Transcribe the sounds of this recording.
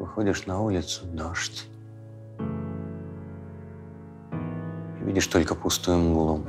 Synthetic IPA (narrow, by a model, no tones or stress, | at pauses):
vɨxɔd͡zʲiʂnɐulʲɪt̪sʊd̪aʂt͡sʲ | ivʲidʲɪʂt̪ɔlʲkɐpust̪ɨjmɡulˠɔm